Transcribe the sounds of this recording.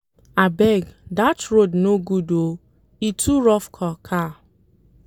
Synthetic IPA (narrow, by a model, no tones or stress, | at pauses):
abɛɡdatɹodnoɡudo | itʰuɹɔfkʰɔkʰa